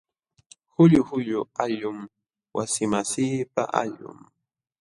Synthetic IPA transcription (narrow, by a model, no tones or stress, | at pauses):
hʊʎʊhʊʎʊaʎʊm | wasɪmasiːpa̰ʔa̰ʎʊ̰m